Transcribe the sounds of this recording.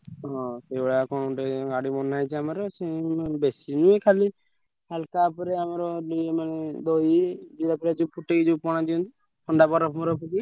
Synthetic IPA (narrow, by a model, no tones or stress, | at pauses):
ɦɔ̃seɔɭakɔɽ̃ɔʈeɡaɽimɔnajt͡ʃʰiamaɾɔsebesinuekʰali | halkapɔɾeamaɾɔdiemaned̪oid͡ʒiɾapɾed͡ʒupʰuʈeɡid͡ʒupɔɽ̃ad̪iɔ̃nt̪i | kɔɳɖabɔɾɔpʰmɔɾɔpuki